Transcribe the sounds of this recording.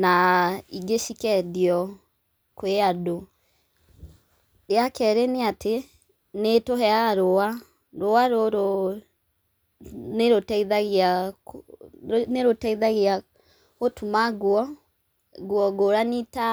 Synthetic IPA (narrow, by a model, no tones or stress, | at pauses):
naiɡeʃikɛdiɔ | koeado | ɾeakɛɾeneatʰe | netoɦɛaaɾoa | ɾoaɾoɾo | neɾotɛiðaɣia | neɾotɛiðaɣea | otʰumaɡwɔ | ɡwɔɡoɾanita